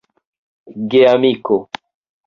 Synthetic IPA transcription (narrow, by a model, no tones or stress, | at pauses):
ɡeamiko